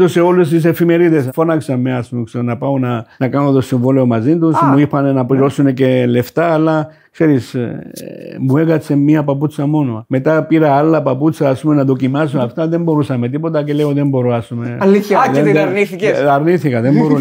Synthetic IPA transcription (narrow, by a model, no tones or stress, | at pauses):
t̪use̞o̞lːes̬t̪is̬e̞fime̞ɾiðesfo̞nɐksɐmːeɐspumekseɾonɐpɐonɐnɐkɐnot̪osiɱvoleo̞mɐzint̪usmuipːɐne̞nɐpliɾo̞sune̞ce̞le̞ft̪ɐːlːɐ | kse̞ɾis | mue̞ɣɐt͡sːe̞mːiɐpɐput͡sːɐmo̞noɐme̞t̪ɐpiɾɐalːɐpɐput͡sːɐːspumenɐðo̞cimɐs̬unɐft̪ɐðe̞mbo̞ɾusɐme̞t̪ipo̞t̪ɐce̞leoðembo̞ɾoɐspumeɐliðeɾniθiɐɾniθikɐðe̞mbo̞ɾu